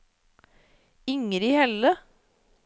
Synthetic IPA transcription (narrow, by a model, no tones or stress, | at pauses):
ɪŋəɾiːhɛlə